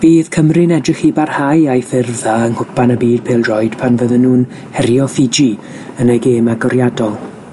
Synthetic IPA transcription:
v̥iːð̥kʰəmrɨnɛdrɪχibarhajajfɪrðaənhʊpʰanabiːd̚pʰeːlˠrɔjd̥pʰanvəðənːuːn | hɛrjɔfɪd͡ʒi | ənaɡeːmaɡɔɾjadɔlˠ

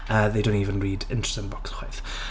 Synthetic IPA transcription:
əðejdõʊ̃ntiːvə̃nriːdɪ̰̃ntʰə̥sɪ̃nb̥ɔksχwɪθ

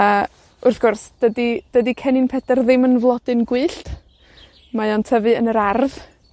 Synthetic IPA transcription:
ə | ʊrθɡ̥ʊrsd̥ədid̥ədikʰɛninpʰɛdɛrðɪmənvlˠɔdɨnɡwɨːɬt | majɔntʰəvɨənəɾarð

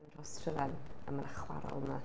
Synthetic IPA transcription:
nrɔstʰrəvɛnə̰məɾʔaχwa̰ɾɔ̰lˠna

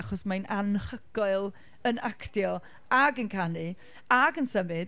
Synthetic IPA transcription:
aχɔsmajnʔanχəɡɔɨlˠ | ənakʰdjɔ | aɡənkʰanɨ | aɡənsəmɪ

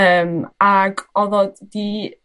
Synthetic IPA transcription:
əmaɡɔðɔddi

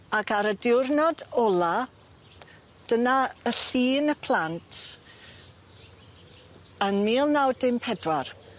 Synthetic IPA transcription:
akaɾədɪwrnɔdɔlˠa | d̥ənaəɬiːnəpʰl̥ˠantʰ | ənmiːlˠnawdɪmpʰɛdwar

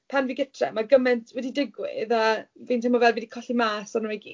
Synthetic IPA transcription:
pʰanviːɡətʰrɛ̰maɡəmɛntʰwɛdidɪɡwɪ̰ðavintʰɪmɔvɛlˠvidikʰɔɬimaːsɔnwɛɡi

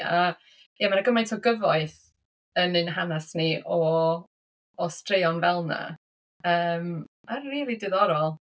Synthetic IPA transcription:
a | jamanaɡəmajntʰɔɡəvɔɨθ | ənɨnɦanasniʔɔ | strejɔnvɛlˠna̰ | əːmmarriːlˠidɨðɔɾɔlˠ

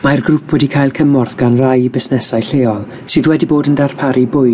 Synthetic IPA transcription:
marɡrupʰwɛdikʰaːjlˠkʰəmɔrθɡ̥anrajbɪsnɛsajɬeːɔlˠ | sɨðwɛdiboːdəndarpʰaɾibʊj

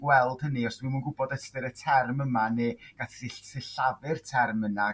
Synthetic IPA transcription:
wɛlˠd̥həniɔsmɪmunɡʊbɔdɛstɨɾətʰɛrməmaneɡ̥atɪsɪɬavɨrtʰɛrməna

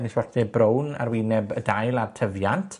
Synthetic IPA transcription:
niswɔrdɛbrowna̰rwiːnɛbədajlˠartʰəvjantʰ

